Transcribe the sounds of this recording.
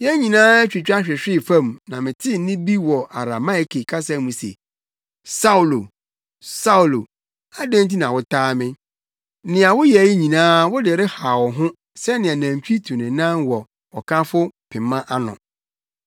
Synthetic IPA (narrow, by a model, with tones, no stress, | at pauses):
jɛ˦ɲĩ˨nãː˦ɛ˦t͡ɕᶣi˨t͡ɕᶣa˦ɕᶣɛ˨ɕᶣɪ˦˨fã˦mnã˨mɪ̃˨tʰɪ˦nɪ̃˦bi˦wɔ˨ʔa˨ɾa˨ma˦ɪ˨kʰe˨kʰa˦sa˦mũ˨sḛ˨ | sa˦u˨lo˨ | sa˦u˨lo˨ | a˦dæ̃˦n˦t̬i˦nã˨wʊ˦tʰaː˦mɪ̃˦ | nɪ̃˨a˨wʊ˦jɛ˨˦ji˦ɲĩ˨nãː˦wʊ˦dɪ˨ɾɪ˦ha˨wɔ˨ɦʊ̃˦ | sɛ˦nɪ̃˨a˨næ̃˨m˨t͡ɕᶣi˦tʰũ˨nɪ̃˨nã˦nwɔ˨ | ɔ˨kʰa˦fʊ˦pʰɪ̃˨mã˦ʔa˦nʊ̰̃˨